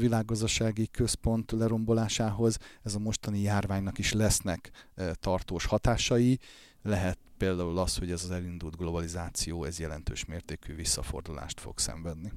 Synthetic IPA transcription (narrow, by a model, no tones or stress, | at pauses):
vilaːɡːɒzd̪ɒʃaːɡikø̞spo̞nt̪lɛɾo̞mbo̞laːʃaːɦo̞zɛzɒmo̞ʃt̪ɒnijaːrvaːɲnɒkiʃlɛsnɛkt̪ɒrt̪oːʃhɒt̪aːʃɒji | lɛɦɛt̪̚peːld̪aːulɒsho̞ɟɛzɒzɛlind̪uld̪ɡlo̞bɒlizaːt̪sijoːɛzjɛlɛ̰nt̪ø̰ːʃmeːrt̪eːkyːvisːɒ̰fo̞̰rd̪ula̰ːʃt̪fo̰ksɛ̰ɱvɛd̪ni